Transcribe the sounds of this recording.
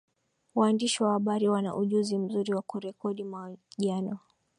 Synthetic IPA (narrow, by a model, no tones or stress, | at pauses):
waːndiʃiwahaɓaɾiwana̰ʔuʄuzim̩zuɾiwakuɾɛkɔɗimwaʄanɔ